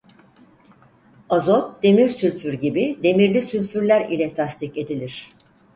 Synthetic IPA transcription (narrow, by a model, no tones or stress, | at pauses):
azot̪̚d̪̥e̞miɾsylʲfyɾɟibid̪e̞miɾlʲisylʲfyɾlʲæɾilʲɛt̪ʰast̪ice̞d̪ilʲiɾ̝̥